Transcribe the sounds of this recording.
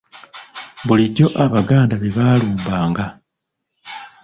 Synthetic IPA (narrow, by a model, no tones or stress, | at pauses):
βuliɟo̞ʔaβaɡaːndaβeβaːluːmbaːŋɡa